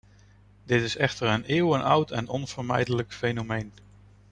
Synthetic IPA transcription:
dɪtɪsɛχtəɹənɪːwənʔʌwtɛnɔnv̥əɹmɛ̰jdələkfejnomejn

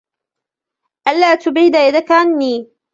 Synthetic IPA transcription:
ʔalːaːt̪ʊbʕɪd̪ajad̪akaʕanːiː

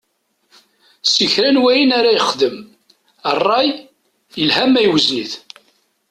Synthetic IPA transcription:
siçɾænwæjinaɾajχðəm | ərˤːɑj | jəlhæmæjwəzniθ

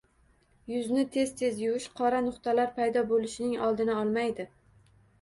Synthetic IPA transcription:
jʊznɪt̪ʰe̞z̥t̪ʰe̞zjʊɪʃqʰɒɾanʊqt̪ʰalaɾpʰajd̪ɒbolɪʃɪnɪŋɒlˠd̪ɪnɪɒlˠmajd̪ɪ

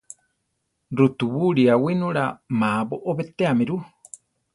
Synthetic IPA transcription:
ɾut̪uβuɾiawinuɾamaboʔoβet̪eamiɾu

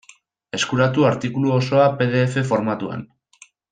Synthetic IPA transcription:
e̞skuɾat̪uaɾt̪ikuluoso̞ape̞ð̞e̞ːfe̞fo̞ɾmat̪ua̰n

